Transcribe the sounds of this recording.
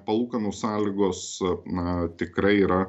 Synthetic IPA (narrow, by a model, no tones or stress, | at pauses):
pɐlˠuːkɐnoːssɑːlʲiːɡoːsnɐt̪ʲɪkɾɐɪiːɾɐ